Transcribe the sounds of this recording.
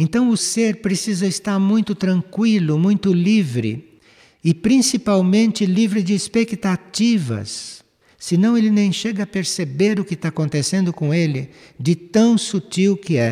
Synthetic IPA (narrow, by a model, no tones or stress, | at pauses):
ẽnt̪ɐ̃w̃ʊseɾpɾesizɐɪst̪aɾmũj̃t̪ʊt̪ɾɐ̃ŋkwilʊmũj̃t̪ʊlivɾɪ̰ | ɪpɾĩsipawmẽnt̪ɪlivɾɪd͡ʒɪːspekt̪ativɐ̰sː | ɪnɐ̃w̃elɪnẽj̃ʃeɡɐːpeɾsebeɾʊkɪst̪aakõnt̪esẽnd̪ʊkõw̃elɪ | d͡ʒɪt̪ɐ̃w̃sut͡ʃiwkɪɛ